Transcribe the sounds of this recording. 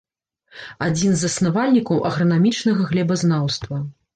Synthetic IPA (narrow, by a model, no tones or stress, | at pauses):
ad͡zʲinzɐsnavalʲnʲikɐwʔɐɣɾɐnamʲit͡ʂnɐɣɐɣlʲɛbɐznawst̪vɐ